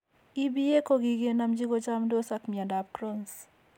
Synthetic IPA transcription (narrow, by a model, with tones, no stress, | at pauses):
i˦bi˦e˦ko˦ɡi˨ɡe˦na˦md͡ʒi˦ɡo˦t͡ʃa˦mdo˦sa˦kmi˨a˨da˨p̚kɾo˦ns